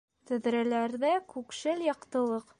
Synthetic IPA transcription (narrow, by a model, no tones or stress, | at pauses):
t̪ɵ̆ðɾælæɾðækʉkʃɘljɒqt̪ɤ̆lˠɤq